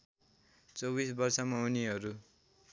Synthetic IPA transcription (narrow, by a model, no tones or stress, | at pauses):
t͡sowbisbʌrsʌmauniɦʌɾu